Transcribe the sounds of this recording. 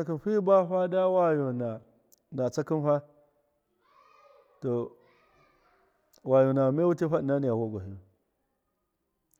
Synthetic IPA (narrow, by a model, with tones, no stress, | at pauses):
a˦ki˦nɸi˦ba˦ɸa˦da˦wa˦jo˨na˨ | na˨t͡sa˦ki˦nɸa˦ | to˨ | wa˨jo˨na˨me˦wu˦ti˦ɸa˦ɗi˨na˦ni˨ja˨wo˦ɡʷa˨ɦi˨˦u˨